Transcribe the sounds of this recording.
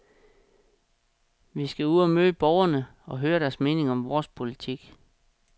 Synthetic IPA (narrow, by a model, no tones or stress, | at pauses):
ʋisɡ̥æuðˠɒmøːəb̥ɒʊɐnəɒ̽ɦøːɐɾæɐsme̝ːne̝ŋɒ̽mʋɒːspʰo̝lit͡sʰiɡ̥